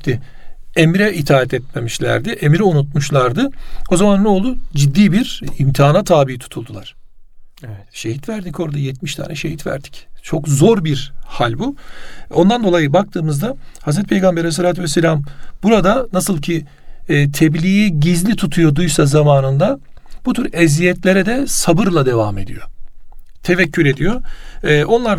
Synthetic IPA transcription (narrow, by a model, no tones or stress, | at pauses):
t̪ɪ | emɾɛʔit̪ʰaːɛt̪ʰɛt̪̚me̞miʃlʲæ̰ɾd̪ɪʔemiɾɛunut̪̚muʃlˠaɾd̪ɯo̞zamanːɛolˠud͡ʒid̪ːiːbiɾimt̪ʰiaːnat̪ʰaːbijit̪ʰu̥t̪ʰulˠd̪ulˠaɾ̥evɛt̪ʃe̞ɦit̪væɾd̪ico̞ɾd̪ajɛt̪miʃt̪ʰa̰ːnɛʃe̞ɦit̪væ̰ɾd̪i̥ct͡ʃʰo̞kzo̞ɾbiɾhalʲbuo̞nd̪and̪olˠajɯbak̚t̪ʰɯːmɯzd̪ahazɾɛt̪̚pʰejɡambeɾas̬eɾaːt̪ʰvɛselʲambuɾad̪anasɯlˠcʰiː | t̪ʰɛblʲijiɟizlʲit̪ʰut̪ʰujo̞d̪ujsazamaːnɯnd̪ab̥ut̪ʰyɾɛzijɛt̪ʰlʲeɾɛd̪ɛsabɯɾlˠad̪e̞vaːme̞̰d̪ḭjo̞ | t̪ʰe̞vɛcʰːyɾe̞d̪ijo̞ːʔo̞nlˠaɾ